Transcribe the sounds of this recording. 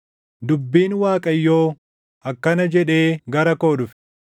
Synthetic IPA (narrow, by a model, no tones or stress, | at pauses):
d̪ʊbːiːnwaːkʼɐjːo̞ː | ʔɐkːɐnɐd͡ʒɛᶑe̞ːɡɐɾɐko̞ːᶑʊf